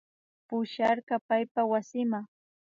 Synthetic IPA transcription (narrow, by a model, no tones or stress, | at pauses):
pʊʃaɾɢɑpajpawasɪmaŋ